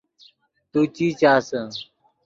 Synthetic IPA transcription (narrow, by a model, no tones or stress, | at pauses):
t̪uːt͡ɕiːt͡ɕaːsə̃